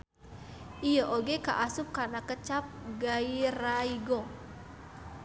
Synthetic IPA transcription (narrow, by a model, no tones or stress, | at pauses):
ʔijəʔoɡeka̰ʔasʊp̚kanakət͡ʃap̚ɡairaiɡo